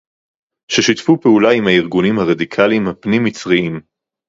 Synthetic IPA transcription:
ʃeʃit̪fupeulaimhaiʁɡunimhaʁad̪ikʰalimhapnimit͡sʁiim

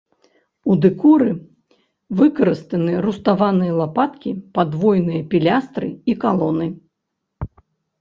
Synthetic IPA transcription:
ud̪ɨkuɾɨ | vɨkɐɾɨst̪ɐnɨɾust̪avanɨjɐlˠapat̪kʲipad̪vɔjnɨjɐpʲilʲast̪ɾɨ̰ikalˠɔnɨ

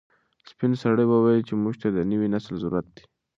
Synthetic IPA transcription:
spɪnsaɽəbawajlt͡ʃemuʒt̪ad̪ənəwinaslzʊɾuat̪̚d̪i̥

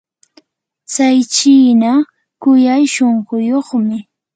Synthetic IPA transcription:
t͡sajt͡ʃiːna | kʊjajʃoɴɢʊjoχmɪ

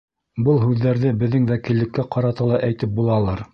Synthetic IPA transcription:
bɤlˠɦʉðːæɾðɘbɘ̆ðːɘŋwækilːɘ̆kːæqɑɾɑt̪ɑlˠɑʔæjt̪ɘp̚bulˠɑlˠɑɾ

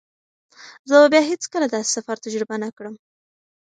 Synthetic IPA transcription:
zəbabjɑɦet͡skəlad̪ɑse̥safaɾt̪ad͡ʒɾibanakɽəm

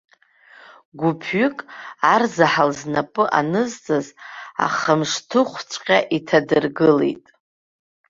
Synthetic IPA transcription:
ɡʷupʰɥʏkʼarzaħalznapʼɨʔa̰nɨzt͡sʼaza̰χəmʂtʰɨχʷt͡sʷʼqʲʼaʔitʰadɨrɡɨlḛjtʼ

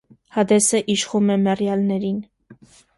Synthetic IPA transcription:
hɑd̪ɛsəʔiʃχumɛmɛrjɑlnɛɾin

